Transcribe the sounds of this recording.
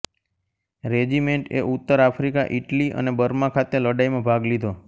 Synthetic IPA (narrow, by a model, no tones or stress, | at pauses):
ɾed͡ʒimeɳʈḛʔut̪ːəɾafʰɾikaʔiʈliʔə̰nebəɾmãkʰat̪eləɖaimãbʱaɡlid̪ʱo